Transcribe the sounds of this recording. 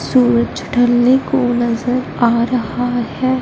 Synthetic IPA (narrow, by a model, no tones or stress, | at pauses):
suːɾət͡ʃɖʱɐlnekonɐzəɾ | aːɾɐɦahɛː